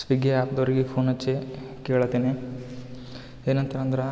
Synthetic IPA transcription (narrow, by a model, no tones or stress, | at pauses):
sʋiɡeaːpd̪ɐʋɐɾiɡepʰoːnɐt͡ʃːe | keːɭɐt̪eːne | eːnɐnt̪ɐɾɐnd̪ɐɾɐ